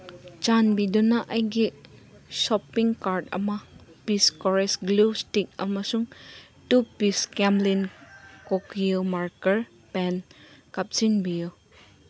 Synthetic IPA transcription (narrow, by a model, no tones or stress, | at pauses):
t͡ʃanbidunɐʔɐjɡi | sɔpːiŋkaɾtɐ̰mɐpiskɔɾesɡlustik̚ɐ̰mɐsuŋ | tupiskemlinkokjɯmaɾkɐɾ | penkap̚sinbiju